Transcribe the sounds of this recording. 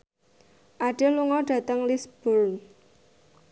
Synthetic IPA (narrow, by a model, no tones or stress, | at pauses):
ʔaɖ̥eluŋɔɖ̥ä̤t̪əŋlisb̥ʊl